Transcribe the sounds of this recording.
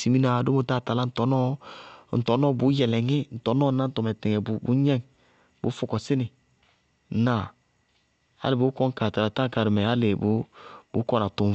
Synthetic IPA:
si˨mi˦na˨do˦mo˨ta˦˨ta˨la˦n̩˨tɔ˨˦nɔ˦n̩˨tɔ˨˦nɔ˦bu˨˦jɛ˨lɛ˨ŋi˦n̩˨tɔ˨˦nɔ˦na˦n̩˦tɔ˨mɛ˨tɛ˨ŋɛ˨bu˨˦bṵ˨˦ɲɛ˦ŋ | bu˨˦fu˨kɔ˨si˦nɪ˨ | na˨ | a̰˦li˨bu˨˦kɔ˦ŋ˦ka˨ta˨la˨ta˦ŋ˦ka˨ɾi˨mɛ˨a˦le˨bu˨˦bu˨˦kɔ˦na˨tu˨

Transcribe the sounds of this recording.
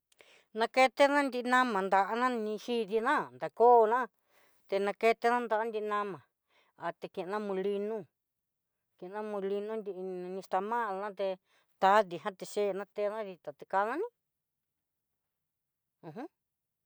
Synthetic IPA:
nã˧ke˧t̪e˦nã˦nd̪i˧nã˦mã˨nd̪a˨ʔa˧nã˦nĩ˧ʃi˦ði˧nã˦nd̪a˨koː˦˧nã˦ | t̪e˧nã˧ke˧t̪e˧˦nã˦nd̪a˧ʔa˦nd̪i˧ʔnã˧mã˨ | a˨t̪e˧kẽ˧ʔnã˦mũ˧li˧nũ˦ | ke˨˧nã˦mũ˧li˧nũ˦nd̪i˧ʔnĩ˧st̪a˧mã˦˧nã˦t̪e˧ | t̪a˨˦ði˨ɦã˦t̪e˧ʂe˦˨nã˦t̪e˧˦˧nã˦ði˧t̪a˨t̪e˧ka˧nã˦nĩ˦˧ | ɦũ˦

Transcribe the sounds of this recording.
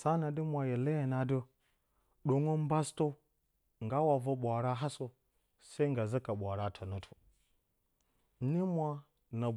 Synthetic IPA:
sa˦na˨di˦mʷa˨je˨le˦je˨na˨do˦ | ɗo˨ŋo˦m˦ba˦sto˦ | ŋɡa˦wa˨vo˦ɓʷa˨ɾa˦ɦa˦so˦ | sa˦i˦ŋɡa˨za˦ka˨ɓʷa˨ɾa˦tʰa˨no˦tʰo̥˨ | ni˦mʷa˦ | na˨

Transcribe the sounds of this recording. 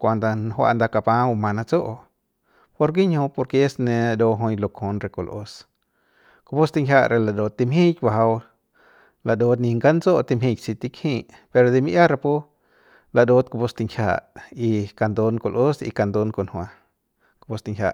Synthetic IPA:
kʷa˧nd̪a˧nɦwa̰˧ʔnd̪a˧ka˧pã˧u˧mã˧na˧t͡so˦ʔ | po˧ɾɡi˦ɲhõ˧po˧ɾke˧e˦snẽ˧a˧d̪o˧ɦo˧jlo˧ko˧nɾe˧ko˧lʔo̰˧s | ko˧bu˦st̪i˧ŋkʰʲa˧ɾʔe˧la˧d̪o˧t̪ːi˧mɦĩ˦tba˧ɦa˧w | la˧˨d̪o˧t̪nĩ˧ŋɡa˦nd͡zo˦ʔt̪i˧mɦĩ˧jsi˧t̪i˧khĩ˧˨ | pe˧ɾo˧d̪i˧mi˧ʔja˦ɾa˧pu˦ | la˧˨d̪o˧˦t̪̚ko˧pu˧st̪i˧ŋkʰʲja̰˧i˧ka˧nd̪o˧nko˧lʔo˦sḭ˧ka˧nd̪o˧nko˧nhwa˧ | ko˧pu˧st̪i˧ŋkʰʲja̰˧˨ʔ

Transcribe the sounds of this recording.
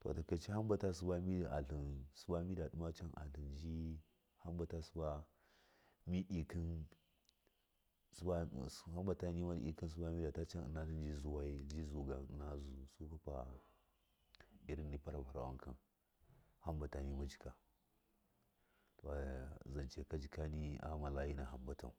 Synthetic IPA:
to̰˨ta˨ka˨t͡ʃi˦ha˦mba˨ta˦s̬u˦ba˦mi˦˨a̰˨ɬi˨nsu˦ba˦mi˦da˨ɗu˦ma˦t͡ʃa˦nʔa̰˨ɬi˨nd͡ʒi˦ | ha˦mba˨ta˦su˦ba˦ | mi˦ʔi˨ki˦n | sa˦ha˦mba˨ta˦ni˦ma˦ḭ˨ki˦ns̬u˦ba˦mi˦da˨ta˦t͡ʃa˦n˨na˦ɬi˦n˦d͡ʒi˦zu˦wa˦i˦d͡ʒi˦zu˨ɡa˨n˨na˦zu˨su˦ka˦pa̰˨ | i˦ɾi˦nːi˦pa˦ɾa˨pa˨ɾa̰˨wa̰˦ŋka̰˨n | ha˦mba˨ta˨ni˦ma˦d͡ʒi̥˦ka˨ | to˨za˨nt͡ʃe˨ka˦d͡ʒi˨ka˦ni˦a̰˦ma˨la˦ji˦na˨ɦa˨mba˦ta̰˨

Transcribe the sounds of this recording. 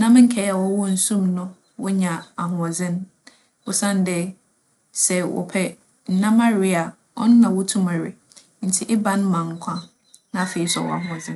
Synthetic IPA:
nã˦m˦ŋ̩˦kʰɛ˦a˨wɔ˦wɔ˦n̩˨sũ˦mnʊ̃˦ | wɔ˦ɲã˨a˨ɦʊ̃˨ɔ˨d͡zɪ̃˦n | wʊ˨sã˦n˦dɛ˦ | sɛ˨wɔ̰˨pʰɛ˦ | n̩˦nã˦ma˦ɾi˦a˨ | ɔ̰˦nʊ̃˦nã˨wʊ˦tʰũ˦ma˨ɾɪ˨ | n̩˨tʰɪ˦ʔɪ˦bã˦ñ˦mã˨ŋ˨kʷʰã˦ | nã˦˨fe˨i˦sɔ̰˨wɔ̰˦˨a̰˨ɦʊ̃˨ɔ˨d͡zɪ̃˦n

